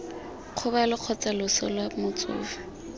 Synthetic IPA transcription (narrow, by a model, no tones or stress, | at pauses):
q͡χʰʊbalʊq͡χʰɔt͡salʊsɔlwamʊt͡sʊ̰ːfḁ